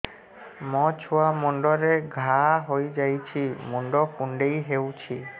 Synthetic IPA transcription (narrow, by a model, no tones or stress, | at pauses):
mɔt͡ʃʰuamuɳɖɔɾeɡʱaɦojd͡ʒajt͡ʃʰimuɳɖɔkuɳɖejɦewt͡ʃʰi